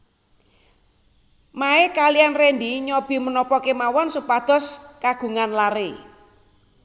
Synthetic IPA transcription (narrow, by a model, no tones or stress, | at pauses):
maekalijanrend̪iɲɔb̥i̤mənɔpɔkemawɔnsupad̪̥ɔ̤skaɡ̥ṳŋanlaɾe